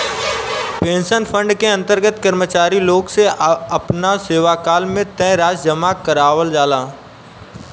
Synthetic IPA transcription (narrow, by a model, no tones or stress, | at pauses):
pẽːnʃənpʰə̃ɳɖkeɐ̃nt̪əɾɡət̪kəɾmət͡ʃaːɾiloːɡseɐpnaseːʋakaːlmẽt̪ɛ̃ɾaːd͡ʒd͡ʒəmakəɾaːʋəld͡ʒaːlaː